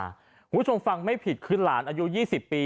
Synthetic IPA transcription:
kʰuː˦˥t͡ɕʰo˧mfa˧ŋma˥˩jpʰi˨˩t̪̚kʰɯ˧nla̰ː˩˦nʔaː˧ju˦˥jiː˥˩si˨˩pːiː˧

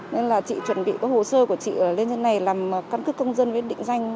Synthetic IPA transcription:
ne˧nlaː˨˩t͡ɕḭ˧˨t͡ɕwə˧˩nɓḭ˧˨kɔː˨˦jho̰˧˨səː˧ku˧˩ət͡ɕḭː˧˨˩li˧nzə˧nːa˨˩jlaː˨˩m˨kaː˨˦nkɨ˦˥kːə˧wŋ͡mzə˧nvə˨˦˥tɗḭ˧˨ŋ̟za˧jŋ̟

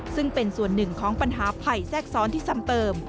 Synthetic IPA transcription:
sɯ˥˩ŋpe˧nsu˨˩ənːɯ˨˩ŋkʰɔː˩˦ŋpa˧nɦaː˩˦pʰa˨˩jsɛː˥˩k̚sɔː˨˦nt̪ʰiː˥˩sa˧˥mt̪ɤː˧m

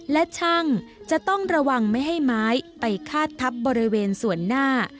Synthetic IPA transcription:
lɛ˦˥t͡ɕʰa˥˩ŋt͡ɕa˨˩ʔt̪ɔ˥˩ŋɾa˧wa˧ŋma˥˩jɦa˥˩jmaː˦˥jpa˧jkʰaː˥˩t̪ʰːa˦˥p̚bɔː˧ɾi˦˥weː˧nsu˨˩˦ənːaː˥˩

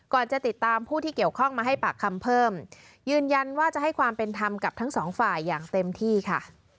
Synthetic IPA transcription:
kɔː˨˩nt͡ɕa˨˩t̪i˨˩t̪ːaː˧mpʰuː˥˩t̪ʰiː˥˩i˨˩əwkʰɔ˥˩ŋmaː˧ɦa˥˩jpaː˨˩kʰːa˧mpʰɤː˥˩m | jɯː˧nja˧nwaː˥˩t͡ɕa˨˩ʔɦa˥˩jkʰwaː˧mpe˧nt̪ʰa˧mka˨˩p̚t̪ʰa˦˥ŋsɔː˩˦ŋfaː˨˩jːaː˨˩ŋt̪e˧mt̪ʰiː˥˩kʰa˥˩

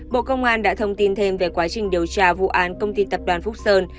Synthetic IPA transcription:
ɓo̰˧˨kə˧wŋ͡mʔaː˧nɗa̰ː˧˥t̪ʰə˧wŋ͡mt̪i˧nt̪ʰe˧mve˨˩kwaː˨˦t͡ɕï˨˩ŋ̟ɗi˨˩əwt͡ɕaː˧vṵ˧˨ʔaː˨˦nkə˧wŋ͡mt̪i˧t̪ə˨˩p̚ɗwaː˨˩nfʊ˦˥k͡p̚səː˧n

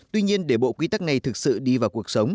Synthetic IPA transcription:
t̪wi˧ɲi˧ənɗe˧˩ɓo̰˧˨kwi˨˦t̪a˦˥k̚na˨˩jt̪ʰɨ˨˩k̚sɨ̰˧˨ɗi˧vaː˨˩wku˨˩ək̚sə˨˦wŋ͡m

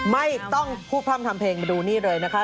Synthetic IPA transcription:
ma˥˩jt̪ɔ˥˩ŋpʰuː˥˩pʰaː˦˥˩mt̪ʰa˧mpʰeː˧ŋmduː˧niː˥˩ɾɤː˧jna˦˥kʰa˦˥

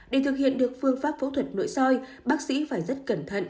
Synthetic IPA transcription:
ɗe˧˩t̪ʰɨ˨˩k̚hḭ˧˨ənɗɨ˨˩ək̚fɨ˧əŋfaː˦˥p̚fo̰˧˥t̪ʰwə˨˩t̚no̰˧˨jsɔ˧j | ɓaː˦˥k̚sḭ˧˥faː˧˩jzə˦˥t̚kə˧˩nt̪ʰə̰˧˨nʔ

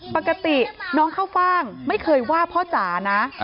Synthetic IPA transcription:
pa˨˩ka˧t̪i˨˩nɔː˦˥ŋkʰaː˥˩wfaː˥˩ŋma˥˩jkʰɤː˧jwaː˥˩pʰɔ˦˥t͡ɕaː˩˦na˦˥

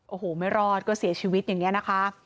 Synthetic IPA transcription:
ʔoː˧˩hoː˨˩˦ma˥˩jɾɔː˥˩t̪̚kɔː˥˩si˨˩˦ɐt͡ɕʰiː˧wi˦t̪̚jaː˨˩ŋːi˦˥ɐna˦˥kʰa˦˥ʔ

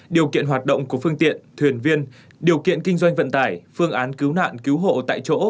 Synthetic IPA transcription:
ɗi˨˩əwkḭ˧˨ənɦwaː˨˩t̚ɗə̰˧˨wŋ͡mku˧˩əfɨ˧əŋt̪ḭ˧˨ənt̪ʰwi˨˩ənvi˧ən | ɗi˨˩əwkḭ˧˨ənkï˧ŋ̟zwa˧jŋ̟və̰˧˨nt̪aː˧˩jfɨ˧əŋʔaː˨˦nki˨˦wna̰ː˧˨nki˨˦wɦo̰˧˨t̪a̰ː˧˨jt͡ɕo̰˧˥

